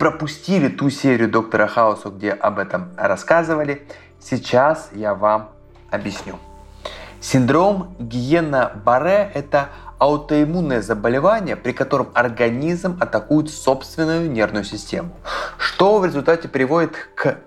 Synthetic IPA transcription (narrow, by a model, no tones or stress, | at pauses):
pɾəpʊsʲtʲilʲɪt̪usʲeɾʲɪjʊd̪o̞k̚t̪əɾəxaʊsʊɡ̚dʲe̞ʔɐbɛt̪əmrɐskazɨvəlʲɪ | sʲɪt͡ɕasjavam | ɐbʲjɪsʲnʲu | sʲɪnd̪ɾo̞mɡʲɪjenəbɐɾɛʔɛt̪əɐʊt̪əɪmunːəjəzəbəlʲɪvanʲɪjəpɾʲɪkɐt̪o̞ɾəmɐrɡɐnʲizmɐt̪ɐkujʊt̪so̞pst̪vʲɪnːʊjʊnʲe̞rvnʊjʊsʲɪsʲtʲe̞mʊʂt̪o̞vɾʲɪzʊlʲt̪atʲɪpɾʲɪvo̞dʲɪt̪k